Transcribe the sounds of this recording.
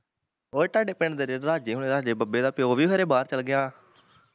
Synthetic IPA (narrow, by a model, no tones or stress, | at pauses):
oːʈaːɖeːpẽɳd̪eːɾeɾaːd͡ʒeːɦʊ̃eːɾaːd͡ʒeːbəbeːd̪aːpeoːʋiːkʰəɾeːbaːɾt͡ʃəlɡɪjãː